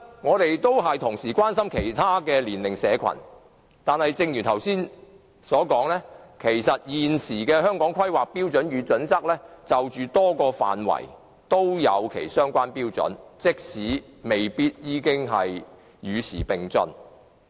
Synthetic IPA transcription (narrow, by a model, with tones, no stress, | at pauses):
ŋɔː˨˧t̪e˨jt̪o˥wɦɐ˨jt̪ʰʊ˨˩ŋsiː˨˩kwaː˥nsɐ˥mkʰe˨˩jt̪ʰaː˥kɛː˧liː˨˩nlɪ˨˩ŋsɛː˨˧kʷʰɐ̰˨˩n | t̪aː˨nhɐ˨jt͡sɪ˧ŋjyː˨˩nt̪ʰɐ˨˩wsiː˥n | sɔː˨˥kɔː˨˥ŋlɛː˥kʰe˨˩jsɐ˨t̚jiː˨nsiː˨˩kɛː˧hœː˥ŋkɔː˨˥ŋkʰɐ˥jwaː˨k̚piː˥wt͡ʃɵ˨˥njyː˨˧t͡sɵ˨˥nt͡sɐ˥k̚lɛː˥t͡sɐ˨wt͡ʃyː˨t̪ɔː˥kɔː˧fa̰ː˨nwɐ̰˨˩j | t̪o˥wjɐ˨˧wkʰḛ˨˩jsœː˥ŋkʷaː˥npiː˥wt͡sɵ̰˨˥nt͡sɪ˥k̚siː˨˥ | me˨jpiː˥t̚jiː˨˧kɪ˥ŋɦɐ̰˨j | jyː˨˧sʰḭː˨˩pɪ˨ŋt͡sɵ̰˧n